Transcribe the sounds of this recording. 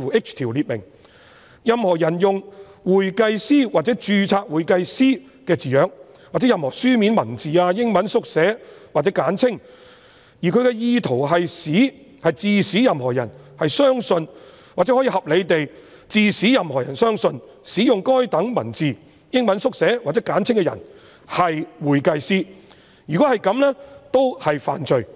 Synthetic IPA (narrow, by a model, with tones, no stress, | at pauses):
uː˨˩ɪ˥k̚t͡ʃt̪ʰiː˨˩wliː˨t̚mɪ̰˨˩ŋ | jɐ˨mhɔː˨˩jɐ˨˩njʊ˨ŋwuː˨˩jkɐ˧jsiː˥wa˨t̚t͡sɛ˨˥t͡ʃyː˨˧t͡sʰaː˧k̚wuː˨jkɐ˧jsiː˥ | kɛː˧t͡siː˨jœː˨˥k̚ | waː˨t͡sɛ˨˦˥jɐ˨mhɔː˨˩syː˥mi˨˥nmɐ˨˩nt͡siː˨aː˧jɪ˥ŋmɐ˨˥nsʊ˥k̚sɛː˨˥waː˨t͡sɛː˨˥kaː˨˥nt͡sʰɪ˥ŋ | jiː˨˩kʰɥkɛ˧jiː˧t̪ʰo˨˩wɦɐ˨jsiː˨˥ | hɐ˨jt͡siː˨˧siː˨˥jɐ˨mɦɔː˨˩jɐ˨˩nhɐ˨jsœː˥ŋsɵ˧n | waː˨t͡sɛ˧˥hɔ˨˥jiː˧hɐ˨p̚le˨˧jt̪e˨j | t͡siː˨˧siː˨˥jɐ˨mhɔː˨˩jɐ˨˩nsœː˥ŋsɵ˧n | siː˨˥jʊ˨ŋkɔː˥jt̪ɐ˨˥ŋmɐ̰˨˩nt͡siː˨˩ | jɪ˥ŋmɐ˨˥nsʊ˥k̚sɛː˨˥waː˨˩t͡sːɛː˨˥kaː˨˥nt͡sʰɪ˥ŋkɛ˧jɐ̰˨˩n | hɐ˨jwuː˨˩jkɐ˨jsiː˥ | jyː˨kɔ˨˥hɐ˨jkɐ˨˥mlɛː˥t̪o˥whɐ˨jfa̰ː˨nt͡ʃɵ˨ɥ